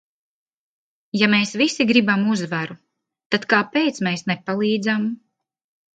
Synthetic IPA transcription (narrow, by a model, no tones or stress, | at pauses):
jameːsvisiɡɾibamuzvaɾu | t̪at̪kaːpeːt̪smeːsnepalˠiːd̪zam